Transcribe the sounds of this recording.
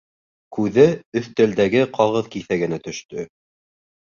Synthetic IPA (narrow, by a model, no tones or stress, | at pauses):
kʉðɘɵ̆θt̪æ̆ld̪æɡɘqʰɑʁɤðkiθæɡɘ̆næt̪ɵ̆ʃt̪ɵ